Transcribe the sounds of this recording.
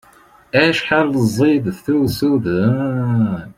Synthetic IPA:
æʃħalːəzˤːiðθusuð

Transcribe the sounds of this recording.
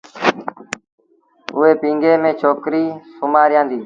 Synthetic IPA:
ʊeːpĩːŋɡeːmẽːt͡ʃʰoːkɾiːsʊmaːɾjãːnd̪iː

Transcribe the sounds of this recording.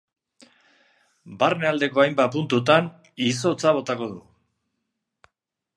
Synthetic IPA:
baɾenald̪e̞ko̞ajmbapunt̪ut̪an | iso̞t͡saβo̞t̪ako̞ðu

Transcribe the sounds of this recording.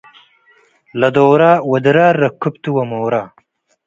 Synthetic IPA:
lɐd̪oːɾaːwɐd̪ɾaːɾːɐkʰːup̚t̪uwɐmoːɾaː

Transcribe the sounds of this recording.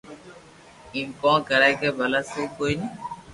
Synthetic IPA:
iːmkɔ̃ːkəɾaːkeːbʱəlaːseikoːini

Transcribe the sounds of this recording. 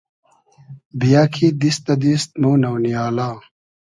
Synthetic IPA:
bijaːkʰid̪ist̪ɐd̪ist̪̚moːnɐwnijaːlaː

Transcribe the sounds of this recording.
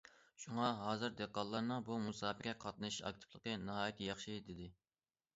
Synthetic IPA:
ʃuŋɑɦɑːzɨɾd̪eqːɑlˠːɑɾnɨŋbumusɑːbɪɾɛqʰɑt̪̚nɨʃɑ̰k̚t̪ʰɪ̥plˠəqənɨɦɑːjɛt̪jɑχʃid̪ɪd̪ɪ

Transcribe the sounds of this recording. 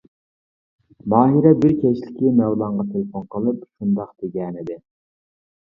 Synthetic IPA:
bɑːɦiɾɛbɪɾkʲʰɛt͡ʃlɪkʲimɛwlˠɑɴʁɑt̪ʰelɨfonqəlˠɨp̚ʃund̪ɑqd̪̥eɡʲɛnɪd̪ɪ

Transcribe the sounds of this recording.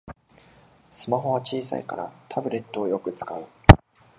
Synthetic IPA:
sɨmaɦo̞β̞at͡ɕiːsa̰ikaɾa̰t̪ʰabɯ̟ɾe̞t̪ːoːjo̞kɯ̟t͡sɨ̥kaɯ̟

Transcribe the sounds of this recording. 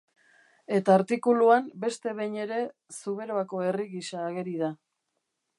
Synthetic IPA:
e̞t̪aːɾt̪ikuluambe̞st̪e̞βe̞ɲe̞ɾe̞ | suβe̞ɾoako̞e̞riɣisaːɣe̞ɾið̞a

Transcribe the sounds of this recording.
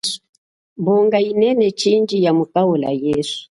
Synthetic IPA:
buŋɡainɛnɛt͡ʃind͡ʒijamukaula̰jɛsu̥

